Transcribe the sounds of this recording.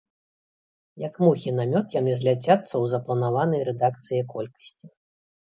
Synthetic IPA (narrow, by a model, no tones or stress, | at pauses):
jɐkmuxʲinamʲɔt̪janɨzʲlʲat͡sʲat̪sːɐwzɐplˠɐnavanɐjɾɛd̪ak̚t̪sɨjɛkɔlʲkɐ̥sʲt͡sʲi